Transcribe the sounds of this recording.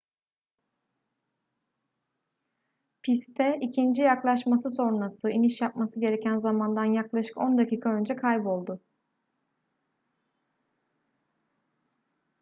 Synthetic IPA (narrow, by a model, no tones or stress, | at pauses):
pʰist̪ʰɛʔicʰind͡ʒijaklˠaʃmasɯso̞ɾɾasɯiniʃjap̚masɯɟe̞ɾecʰænzamand̪anjaklˠaʃɯ̥ko̞nd̪acʰiːkʰaø̞nd͡ʒɛkʰajbo̞lˠd̪ʊ